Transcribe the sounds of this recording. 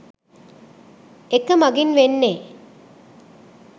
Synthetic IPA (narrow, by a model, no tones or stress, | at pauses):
ekːɐmɐɡinʋenːe